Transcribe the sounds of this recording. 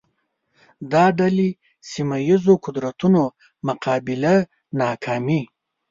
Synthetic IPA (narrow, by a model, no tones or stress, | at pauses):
d̪ɑɖali | simajizoqʊd̪ɾat̪uno | mʊqɑːbɪla | nɑkʰɑːmi